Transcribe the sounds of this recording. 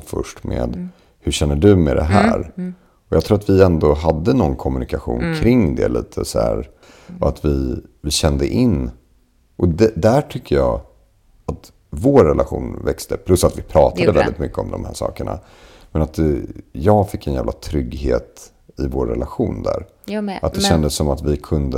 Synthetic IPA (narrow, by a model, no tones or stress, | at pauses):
fœʂʈmḛːd̪ | hɵʂɛnːəɖɵmɛd̪ɛ̰ɦæ̰ːɾ | ɔjɑɡt̪ʰɾuːɾat̪vɪɛnd̪oɦad̪ːənɔnkʰɔmɵnɪkaɧṵːnkʰɾɪŋd̪ɛ̰liːt̪ʰəsæ̰ɾ | ɔat̪vɪvɪɕɛnd̪əʔɪnː | ʔɔd̪ɛd̪æʈʰʏkːəjɑː | at̪ | voːɾːɛlʔaɧṵːnvɛkst̪əpʰlɵsːat̪vɪpʰɾɑːt̪ad̪əvɛld̪ɪt̪mʏkːəɔmd̪ɔmhæːʂɑ̰ːkəɳa̰ | mɛnat̪jɑːɡfɪkːɛnjæːvlʔat̪ʰɾʏɡheːt̪ | ɪvoːɾːɛlaɧuːnd̪æ̰ɾ | at̪̚d̪ɛɕɛnd̪əsːɔmat̪vɪkʰɵnd̪ə